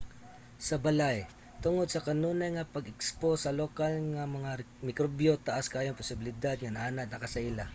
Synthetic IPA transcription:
sɐbɐlaj | t̪ʊŋod̪̚sɐkɐnuːnajŋɐpɐɡɪksposɐlokalŋamɐŋa | mɪkɾobjot̪ɐʔaskaːjoŋpʊsɪbɪlɪd̪ad̪̚ŋɐnɐʔaːnad̪̚nɐkɐsɐʔila

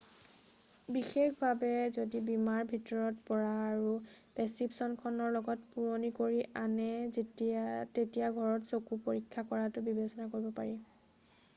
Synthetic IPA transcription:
bixexbʱabɛzodibimaɹbʱitɔɹɔtpɔɹaːɹupɛsipsɔnkʰɔnɔɹlɔɡɔtpuɹonikoɹiʔanɛ | tetijaɡʱɔɹɔtsokupoɹikʰːakɔɹatʊbibesɔnakoɹibɔpaɹi

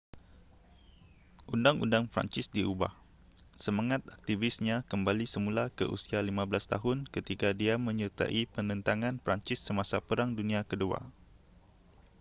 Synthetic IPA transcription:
ʔundaŋṵndaŋpɾa̰ɲt͡ʃɪsdiʔuba̰h | səmaŋat̪ak̚t̪ivɪsɲãkəmbalisəmulakə̰ʔṵsialimãblast̪a̰ɦʊnkət̪ikadiamə̃ɲərt̪a̰ʔipənə̃nt̪aŋãnpɾaɲt͡ʃɪsːəmasapəɾaŋdunĩakədua̰

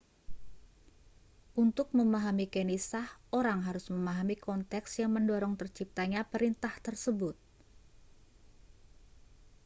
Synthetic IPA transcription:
ʔunt̪ʊk̚məmaɦamikenisahʔoɾaŋɦaɾʊsməmaɦamikɔnt̪ɛksjaŋməndɔɾɔŋt̪ərt͡ʃip̚t̪aɲapəɾint̪aht̪ərsəbʊt̪̚

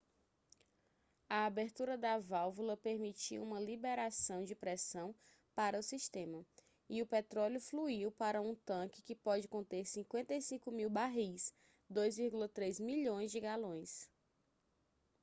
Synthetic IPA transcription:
ɐabeɾt̪uɾɐd̪ɐvawvulɐpeɾmit͡ʃḭũmɐlibeɾasɐ̃w̃d͡ʒɪpɾɛsɐ̃w̃ | paɾɐʊsiʃt̪ẽmɐ | ɪʊpet̪ɾɔljʊfluiwpaɾɐũt̪ɐ̃kɪ̥kɪpɔd͡ʒɪkõnt̪eɾsĩkwẽnt̪ɐjsĩkʊmiwbaɦis | d̪ojzviɾɡulɐt̪ɾejzmiʎõj̃zd͡ʒɪɡalõj̃s

